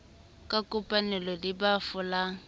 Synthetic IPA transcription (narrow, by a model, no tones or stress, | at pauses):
kʼakʼʊpʼanɛlɔdibafʊlaŋ̩